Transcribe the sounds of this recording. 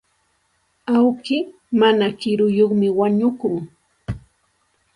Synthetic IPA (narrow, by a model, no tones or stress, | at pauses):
awkɪ | manakɪɾʊjoχmɪwaɲʊkʊŋ